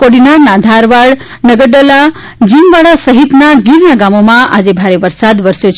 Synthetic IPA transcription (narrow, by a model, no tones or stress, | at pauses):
koɽinaɾnad̪ʱaɾʋaɭ | nəɡəɽɖəla | d͡ʒimʋaɭasəɦit̪naɡiɾjãɡamomãʔad͡ʒebʱaɾeʋəɾsad̪ʋəɾsjot͡ʃʰ